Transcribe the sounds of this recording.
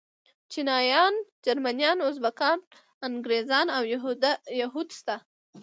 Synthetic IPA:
t͡ʃinɑjɑnd͡ʒaɾmanjɑnʊzbakɑn | aŋɡɾezɑnawjaɦud̪st̪a

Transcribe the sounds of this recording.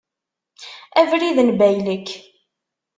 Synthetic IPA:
ævɾiðnbæjləkː

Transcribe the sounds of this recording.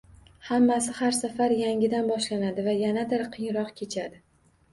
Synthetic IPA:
hamːasɪhaɾsafaɾjaŋʲɪd̪anbɒʃlanad̪ɪvajanad̪ɪɾqʰɨjɾɒqkʲʰe̞t͡ʃʰad̪ɪ

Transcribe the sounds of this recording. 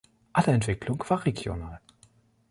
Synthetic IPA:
ʔalɐɛntv̥ɪklʊŋv̥aːɐʁeɡjo̰naːl

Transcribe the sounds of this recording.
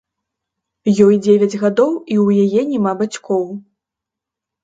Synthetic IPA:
jɔjd͡zʲevʲɐd͡zʲɣad̪ɔwiwjajɛnʲɛmabat͡sʲkɔw

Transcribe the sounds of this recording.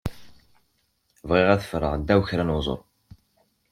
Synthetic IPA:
vʁɪʁæθə̥fɾəʁd̪ːæwçɾænwzˤo̰ɾˤ

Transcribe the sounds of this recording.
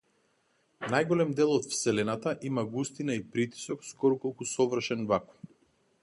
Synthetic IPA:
najɡɔlɛmd̪ɛlˠɔt̪fsɛlɛnat̪aʔimaɡust̪inaipɾit̪i̥sɔkskɔɾɔkɔlˠkusɔvrʃɛnvakɔ̥f

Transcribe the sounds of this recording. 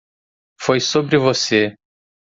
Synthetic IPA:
fojsobɾɪvose

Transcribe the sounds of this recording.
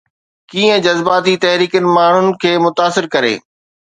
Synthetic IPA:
kiːə̃d͡ʑɐzbaːt̪it̪ɐɦɾiːkənɪ̆maːɳ̤ʊnɪ̆kʰeːmʊt̪aːsɪɾkɐɾḛː

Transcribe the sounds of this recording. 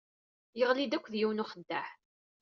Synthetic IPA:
jəʁlid̪ækʷːðjiwnʊχəd̪ːaħ

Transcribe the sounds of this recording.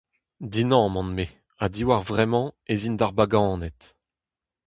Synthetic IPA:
d̪inɑ̃mɑ̃nme | ad̪iwaʁvʁɛmɑ̃ezind̪aʁbaɡɑ̃ːnɛt̪

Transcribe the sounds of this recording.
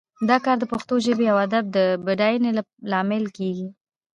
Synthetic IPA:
d̪ɑkɑɾd̪əpʊxt̪oʒəbejawad̪ab̚d̪əbaɖɑjnela | lɑmɪlkeɡi

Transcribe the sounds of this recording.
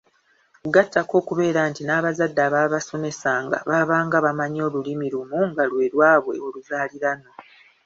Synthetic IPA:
ɡatʰːako̞ːkuβe̞ːɾaːntinaːβazadːaːβaβaso̞ne̞saŋɡa̰βaβaːŋɡaβamaɲo̞ːlulimiɾumuŋɡalwe̞ːɾwaːβwe̞̰o̞luzaːliɾano̞

